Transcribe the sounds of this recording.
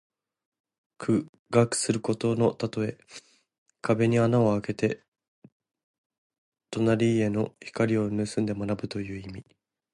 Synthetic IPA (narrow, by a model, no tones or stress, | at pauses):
kʰɯ̟ | ɡakɯ̥sɨɾɯ̟ko̞t̪o̞no̞t̪at̪o̞e̞ | kʰabe̞ɲ̟ianao̞ake̞t̪e̞ | t̪o̞naɾʲiːe̞no̞çi̥kaɾʲio̞nɯ̟sɨ̃nd̪e̞monabɯ̟t̪o̞jɯ̟ːimʲi